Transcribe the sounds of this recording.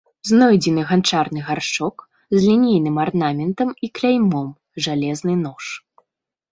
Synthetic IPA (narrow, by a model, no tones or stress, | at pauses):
znɔjd͡zʲɛnɨɣant͡ʂarnɨɣart͡ʂɔk | zlʲinʲejnɨmarnamʲɛnt̪ɐmiklʲajmɔm | ʐalʲɛznɨn̪ɔʂ